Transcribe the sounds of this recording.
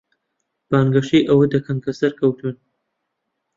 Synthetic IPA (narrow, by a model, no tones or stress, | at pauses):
b̥ɑːnɡɐʃiːʔɐwəd̪ɐkʰɐmkʰɐsɐɾkʰɐwt̪ʰun